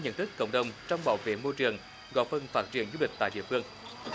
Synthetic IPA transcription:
ɲə̰˧˥˨nt̪ʰɨ˦˥kːə̰˧wŋ͡mɗə˨˩wŋ͡mt͡ɕɔ˧wŋ͡mɓa̰ː˧˩wvḛ˧˨mo˧jt͡ɕɨ˨˩əŋ | ɣɔ̰˧˥˩fə˧˩nfaː˦˥t̚t͡ɕi˨˩ənzu˧lï˨˩k̚t̪a̰ː˧˨jɗḭ˧˨əfɨ˧əŋ

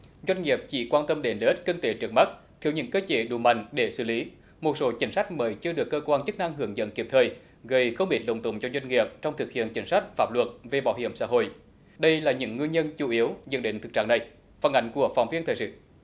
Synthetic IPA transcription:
zwa˧jŋ̟ŋi˨˩əp̚t͡ɕḭ˧˦kwaː˧nt̪ə˧mɗe˨˦nlːt̚kï˧ŋt̪e˨˦t͡ɕɨ˨˩əŋ̚ma˦˥t̚ | t̪ʰi˧˩əwɲɨ̰˧˥ŋkəː˧t͡ɕe˧˦ɗu˨˩ma̰˧˨jŋ̟ɗe˧˩sɨ̰˧˩li˨˦ | mo˨˩t̚so˨˦t͡ɕï˨˦ŋsa˦˥jk̟̚məː˨˦jt͡ɕɨ˧əɗɨ˨˩əkːəː˧kwaː˧nt͡ɕə˦˥k̚na˧ŋɦɨ˧˩əŋzə̰˧˥nki˨˩əp̚t̪ʰəː˨˩j | ɣə˧˩jxə˧wŋ͡mɓi˨˩t̚lə̰˨˧˩wŋ͡mt̪ʊ̰˧˩ŋ͡mt͡ɕɔ˧zwa˧jŋ̟ŋi˨˩əp̚t͡ɕɔ˧wŋ͡mt̪ʰɨ˨˩k̚hḭ˧˨ənt͡ɕï˨˦ŋ̟sa˦˥k̟̚faː˦˥p̚lwə˨˩t̚ve˨˩ɓaː˧˦whi˧˩əmsa̰ː˧˥ɦo̰˧˨j | ɗə˧jlaː˨˩ɲɨ̰˧˥ŋːwi˧nɲə˧nt͡ɕu˧˩ʔi˨˦əwzə̰˧˨˥nɗḛ˧˨˦ŋt̪ɨ˨˩k̚t͡ɕaː˧˨ŋna˨˩j | fə˧˩nʔa˨˦jŋ̟ku˧˩əfaː˧˩ŋ͡mvi˧ət̪ʰəː˨˩sɨ̰˧˨

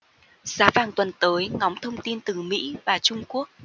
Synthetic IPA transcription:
z̥aː˨˦vaː˨˩ŋt̪wə˨˩nt̪əː˨˦jŋɔ˨˦wŋ͡mt̪ʰə˧wŋ͡mt̪i˧nt̪ɨ˨˩mḭ˧˥vaː˨˩t͡ɕʊ˧ŋ͡mku˦˥ək̚

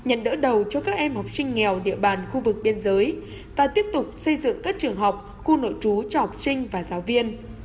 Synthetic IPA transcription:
ɲə̰˧˨nɗə̰ː˧˥ɗə˨˩wt͡ɕɔ˧kaː˦˥k̚ʔɛ˧mhɔ˨˩wk͡p̚sï˧ŋ̟ŋɛ˨˩wɗḭ˧˨əɓaː˨˩nxu˧vɨ˨˩k̚ɓi˧ənzəː˨˦j | vaː˨˩t̪i˦˥əp̚t̪ʊ˨˩k͡p̚sə˧jzɨ̰˧˨ŋkaː˦˥k̚t͡ɕɨ˨˩əŋɦɔ˨˩wk͡p̚ | xu˧no̰˧˨jt͡ɕu˨˦t͡ɕɔ˧hɔ˨˩wk͡p̚sï˧ŋ̟vaː˨˩zaː˨˦wvi˧ən

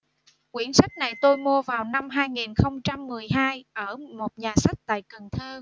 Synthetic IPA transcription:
kwi˧˩ənsa˦˥jk̟̚na˨˩jt̪o˧jmu˧əvaː˨˩wna˧mɦaː˧jŋi˨˩nxə˧wŋ͡mt͡ɕa˧mːɨ˨˩əjɦaː˧jʔəː˧˩mo˨˩t̚ɲaː˨˩sa˦˥k̚t̪a̰ː˧˨jkə˨˩nt̪ʰəː˧

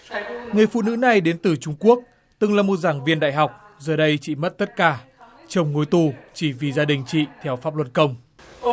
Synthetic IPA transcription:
ŋɨ˨˩əjfṵ˧˨nɨ̰˧˥na˨˩jɗe˨˦nt̪ɨ˨˩t͡ɕʊ˧ŋ͡mku˦˥ək̚ | t̪ɨ˨˩ŋlaː˨˩mo˨˩t̚zaː˧˩ŋvi˧ənɗa̰ː˧˨jɦa˨˩wk͡p̚ | zəː˨˩ɗə˧jt͡ɕḭ˧˨mə˦˥t̚t̪ə˦˥t̚kaː˧˩ | t͡ɕə˨˧˩wŋ͡mŋo˨˦jt̪u˨˩t͡ɕi˧˩vi˨˩zaː˧ɗï˨˩ŋ̟t͡ɕḭ˧˨t̪ʰɛ˧wfa˦˥p̚lwə˧˩n̚kə˧wŋ͡m

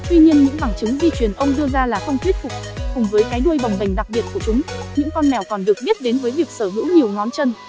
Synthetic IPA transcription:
t̪wi˧ɲi˧ənɲɨ̰˧˥ŋɓaː˧˩ŋt͡ɕɨ˨˦ŋzi˧t͡ɕwi˨˩ənʔə˧wŋ͡mɗɨ˧əzaː˧laː˨˩xə˧wŋ͡mt̪ʰwt̚fʊ˨˩k͡p̚kʊ˨˩ŋ͡mvəː˨˦jkaː˨˦jɗu˧əjɓa˨˩wŋ͡mɗa˨˩jŋ̟ɗa˨˩k̚ɓi˨˩ət̚ku˧˩ət͡ɕʊ˨˦ŋ͡mɲɨ̰˧˥ŋkɔ˧nmɛ˨˩wkɔ˨˩nɗɨ˨˩ək̚ɓi˦˥t̚ɗe˨˦nvəː˨˦jvi˨˩ək̚səː˧˩ɦɨ̰˧˥wɲi˨˩əwnɔ˨˦nt͡ɕə˧n

